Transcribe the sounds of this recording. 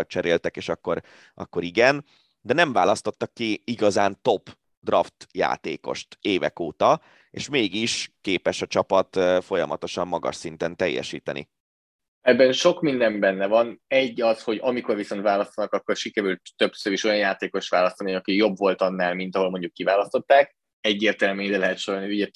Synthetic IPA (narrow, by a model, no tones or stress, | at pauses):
t͡ʃɛɾeːlt̪ɛkeːʃɒkːo̞ɾ | ɒ̰kːo̞ɾiɡɛn | d̪ɛnɛɱva̰ːlɒst̪o̞t̪ːɒkːiiɡɒzaːnt̪o̞p | d̪rɒft̪ja̰ːt̪eːko̞̰ʃt̪eːvɛ̰koːt̪ɒ | eːʃmeːɡiʃkeːpɛʃɒt͡ʃɒpɒt̪ːfo̞jɒ̰mɒ̰t̪o̞ʃɒmːɒɡɒ̰ʃsint̪ɛnt̪ɛjːɛ̰ʃḭːt̪ɛnḭ | ɛbːɛnʃo̞kmind̪ɛmbɛnːɛvɒnɛɟːɒsho̞ɟɒmiko̞rviso̞nt̪vaːlɒst̪ɒnɒkɒkːo̞rʃikɛɾylt̪ːøpsøɾiʃo̞jɒnjaːt̪eːko̞ʃt̪ʋaːlɒst̪ɒniɒkijo̞bvo̞lt̪ɒnːaːlmint̪ɒɦo̞lmo̞ɲɟukːivaːlɒst̪o̞t̪ːaːk̚ | ɛɟːeːrt̪ɛlmeːd̪ɛlɛɦɛt̪ʃoɾolniuɟɛ